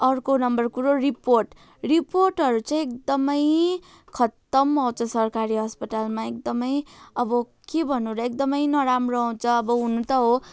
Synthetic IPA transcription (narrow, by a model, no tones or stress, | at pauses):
ʌrkonʌmbʌrkuɾoriporʈ | riporʈɦʌɾut͡saĩek̚d̪ʌmʌj | kʰʌt̪ːʌmːaw̃t͡sʰʌsʌrkaɾiɦʌspʌʈalmaek̚d̪ʌmʌjʌbʌ | kebʱʌnũɾʌekd̪ʌmʌjnʌɾamroɦt͡sʰʌːbʌɦunũt̪ʌɦo